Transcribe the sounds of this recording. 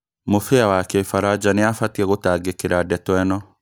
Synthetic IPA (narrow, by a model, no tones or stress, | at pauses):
mʊfɪawakefaɾad͡ʒanɪafat̪iɛɣʊt̪aːɡɪkːɪɾadɛt̪wɛnɔ